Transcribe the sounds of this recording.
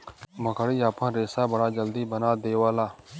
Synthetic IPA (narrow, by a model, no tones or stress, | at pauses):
məkəɽiːaːpãːɾeːsaːbəɽaːd͡ʒəld̪iːbənaːd̪eːʋaːlaː